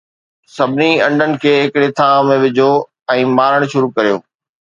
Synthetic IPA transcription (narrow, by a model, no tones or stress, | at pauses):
sɐbʱɪniɐ̃ɳɖʱənɪ̆kʰeːɦɪkɽet̪ʰãːmẽʋɪd͡ʑʱo | ɛ̃ːmaːɾəɽ̃ʃʊɾukɐɾijo̰ː